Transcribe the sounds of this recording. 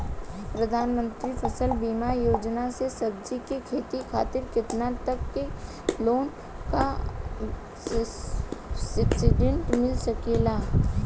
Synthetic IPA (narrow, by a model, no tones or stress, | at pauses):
pɾɐd̪ʱaːnmə̃nt̪ɾifʰəsəlbiːmajoːd͡ʒnasesɐb̚d͡ʒikekʰeːt̪ikʰaːt̪ɪɾkɪt̪nat̪ɐkːe | loːn | ka | ssɪɖə̃ɳʈmɪlsɐkelaː